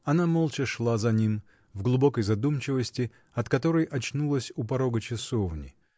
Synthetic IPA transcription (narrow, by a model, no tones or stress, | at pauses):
ɐnamolˠt͡ɕɪʂlˠazɐnʲim | vɡlˠʊbo̞kəjzɐd̪umt͡ɕɪvəsʲtʲɪ | ɐt̪kɐt̪o̞ɾəjʔɐt͡ɕnulˠəsʲupɐɾo̞ɡət͡ɕɪsovnʲɪ̰